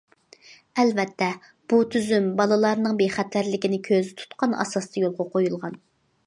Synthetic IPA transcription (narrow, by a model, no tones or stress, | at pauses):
ɛlvɛt̪ʰːɛ | b̥ut̪ʰyzymbɑlˠɨlˠɑɾnɨŋbejχæt̪ʰlæɾlɪkʲinɪkʲʰøzɪt̪ʰu̥t̪qʰɑnɑ̰sɑst̪ɑjolˠqɑqʰojulˠʁɑn